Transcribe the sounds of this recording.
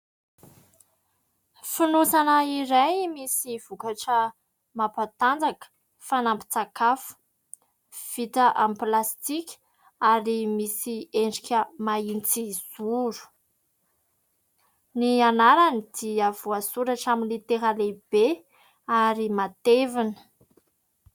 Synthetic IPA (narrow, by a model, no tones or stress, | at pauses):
finusanəiɾajmisiv̥ukaʈ͡ʂə | mapat̪and͡zakə̥ | fanampi̥t͡sakafu̥ | v̥it̪əʔamplast̪ikʲ | aɾimisieɳɖ͡ʐikʲəmaint͡siz̥uɾu̥ | nianaɾanid̪̥iavuasuɾaʈ͡ʂaminlit̪eɦaleb̥e | aɾimat̪evinə̥